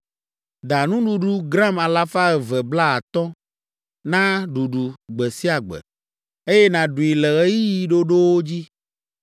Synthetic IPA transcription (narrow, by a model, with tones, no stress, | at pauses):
d̪a˨nũ˦ɖu˨ɖu˦ɡɾã˦ma˨la˦fa˦ɣɛ˨vɛ˨bla˦a˨t̪ɔ˦ | nã˦ɖu˨ɖu˨ɡ͡bɛ˨si˦a˨ɡ͡bɛ̰˨ | e˦jɛ˦nã˨ɖu˨i˨lɛ˨ɣe˦ji˦ji˨ɖo˦ɖo˦wo˦d͡ʑi˦